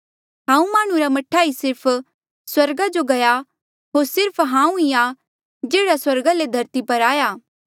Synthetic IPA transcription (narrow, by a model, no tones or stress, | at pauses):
ɦãːũmaːɽ̃ũɾamɐʈʰːaːisɪɾpʰ | swɐɾɡad͡ʒoɡɐja | ɦoːɾsɪɾpʰɦãːũia | d͡ʒeːɽaswɐɾɡaled̪ʱɐɾt̪ipɐɾaːjaː